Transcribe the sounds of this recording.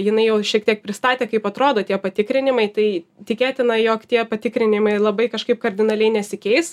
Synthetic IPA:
jɪnɐɪjɛʊʃʲiɛkt̪ʲiɛk̚pʲɾʲɪst̪ɑːt̪ʲeːkɐɪpɐt̪ɾoːd̪oːt̪ʲiɛpɐt̪ʲɪkɾʲɪnʲɪmɐɪt̪ɐɪt̪ʲɪkʲeːt̪ʲɪnɐjoːkt̪ʲiɛpɐt̪ʲɪkɾʲɪnʲɪmɐɪlˠɐbɐɪkɐʃkɐɪp̚kɐɾʲd̪ʲɪnɐlʲɛɪnʲɛsʲɪkʲɛɪs

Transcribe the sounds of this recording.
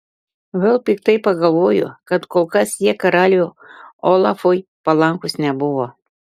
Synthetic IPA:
ʋʲɛlˠpʲɪkt̪ɐɪpɐɡɐlˠʋoːjʊ̰kɐt̪koːlˠkɐsjiɛkɐɾɑːlʲo | ɔlˠɑfojpɐlˠɐŋkʊsnʲɛbʊʋoː

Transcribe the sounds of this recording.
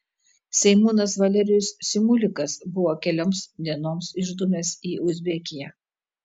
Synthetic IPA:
sʲɛɪmuːnɐsʋɐlʲɛɾʲɪjʊssʲɪmʊlʲɪkɐsbʊʋoːkʲɛlʲoːmsd̪ʲiɛnoːmsɪʒd̪ʊmʲeːsiːʔʊzʲbʲɛkʲɪjɛ

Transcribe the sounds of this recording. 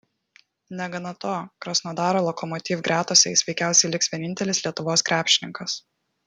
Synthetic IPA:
nʲɛɡɐnɐt̪oːkɾɐsnod̪ɑːɾoːlˠɔkɔmɔt̪ʲiːfɡɾʲæːt̪osʲɛɪsʲʋʲɛɪkʲæˑʊsʲɛɪlʲɪksʲʋʲiɛnʲɪnʲt̪ʲɛlʲɪsʲlʲiɛt̪ʊʋoːskɾʲæːpʲʃʲɪnʲɪŋkɐs

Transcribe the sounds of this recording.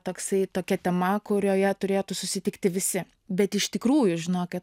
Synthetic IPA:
t̪oːksɐɪt̪oːkʲɛt̪ʲɛmɐkʊɾʲoːjɛt̪ʊɾʲeːjt̪ʊsʊsʲɪt̪ʲɪkt̪ʲɪʋʲɪsʲɪ | bʲɛt̪ɪʃt̪ʲɪkɾuːjʊʒʲɪnoːkʲɪt̪

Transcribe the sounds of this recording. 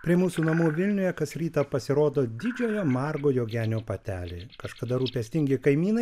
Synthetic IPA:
pʲɾʲɪɛmuːsuːnɐmuːʋʲɪlʲnʲʊjɛkɐsɾʲiːt̪ɐpɐsʲɪɾoːd̪oːd̪ʲɪd͡ʒʲoːjoːmɑrɡoːjoːɡʲæːnʲoːpɐt̪ʲæːlʲeːkɐʃkɐd̪ɐɾuːpʲɛsʲt̪ʲɪŋʲɡʲɪkɐɪmʲiːnɐɪ

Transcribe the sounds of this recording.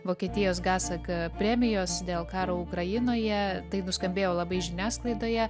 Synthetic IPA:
ʋoːkʲieːt̪ʲɪjoːsɡɑːsɐkpʲɾʲæːmʲɪjoːsd̪ʲeːlˠkɑːɾoːʊkɾɐjɪnoːjɛt̪ɐɪnʊskɐmʲbʲeːjoːlˠɐbɐɪʒʲɪnʲæːsklˠɐɪd̪oːjɛ

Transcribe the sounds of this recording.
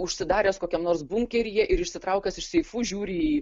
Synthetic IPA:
ʊʃʲsʲɪd̪ɑːɾʲɛːskoːkʲɛmnoːɾsbʊŋʲkʲɛɾʲɪjɛʔɪɾɪʃʲsʲɪt̪ɾɐʊkʲɛsɪʃsʲɛɪfuːʒʲuːɾʲiːi

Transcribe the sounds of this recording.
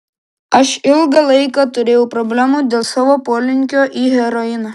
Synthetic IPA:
ɐʃɪlˠɡɐlˠɐɪkɑt̪ʊɾʲeːjɛʊpɾɔbʲlʲæmuːd̪ʲeːlˠsɑːʋoːpoːlʲɪŋʲkʲoːʔiːɦʲɛɾɔɪnɑ

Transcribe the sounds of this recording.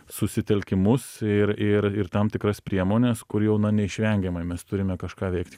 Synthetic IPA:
sʊsʲɪt̪ʲɛlʲkʲɪmʊsɪrɪɾɪrt̪ɐmt̪ʲɪkɾɐspʲɾʲiɛmoːnʲɛskʊɾjɛʊnɐnʲɛɪʃʲʋʲɛŋʲɡʲɛmɐɪmʲɛst̪ʊɾʲɪmʲɛkɐʃkɑːʋʲɛɪkt̪ʲ

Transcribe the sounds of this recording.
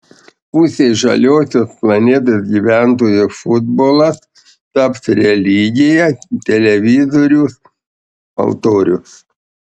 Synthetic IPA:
pʊsʲeːʒɐ̰lʲoːsʲoːsplˠɐnʲeːt̪oːsɡʲiːʋʲæˑnt̪̬oːjofʊd̪boːlˠɐs | t̪ɐpsɾʲɛlʲiɡʲɪjɛt̪ʲɛlʲɛʋʲɪzoːɾʲus | ɐ̰lˠt̪oːɾʲʊ̰s

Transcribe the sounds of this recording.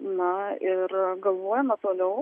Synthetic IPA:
nɐɪɾɡɐlˠʋoːjɛmɐt̪oːlʲɛʊ

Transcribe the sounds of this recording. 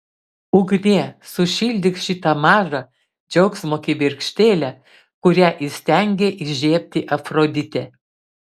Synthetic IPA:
ʊɡnʲeːsʊʃʲilʲd̪ʲɪkʃʲɪt̪ɐmɑːʒɐ | d͡ʒʲɛʊksmoːkʲibʲɪɾʲkʃʲt̪ʲeːlʲɛ | kʊɾʲæʔɪsʲt̪ʲæŋʲɡʲeʔɪʒʲeːpʲt̪ʲɪʔɐfɾod̪ʲɪt̪ʲɛ

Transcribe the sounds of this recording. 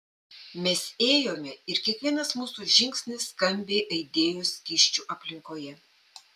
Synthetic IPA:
mʲɛseːjoːmʲɛɪɾkʲiɛkʋʲiɛnɐsmuːsuːʒʲɪŋʲksʲnʲɪsːkɐmʲbʲeːʔɐɪd̪ʲeːjoːskʲiʃʲt͡ʃʲuʔɐpʲlʲɪŋkoːjɛ

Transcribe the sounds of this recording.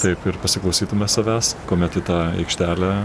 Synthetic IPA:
t̪ɐɪpɪɾpɐsʲɪklˠɐʊsʲiːt̪ʊmʲɛsɐʋʲæːskoːmʲɛt̪ɪt̪ɑːɛ̰ɪkʃʲt̪ʲæːlʲæ

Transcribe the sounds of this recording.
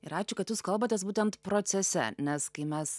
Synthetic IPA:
ɪɾɑːt͡ʃʲʊkɐt̪juskɐlˠbɐt̪ʲeːsbuːt̪ʲɛnt̪pɾoːt̪sʲɛsʲɛ̰nʲɛskɐɪmʲɛs

